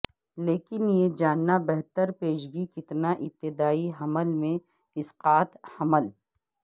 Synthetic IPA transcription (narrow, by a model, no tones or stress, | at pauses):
leːkɪnjed͡ʒaːnːabɛɦt̪əɾpeːʃɡikɪt̪naʔɪp̚t̪ːɪd̪aːiɦɐməlmẽ | ɪsqaːt̪hɐməl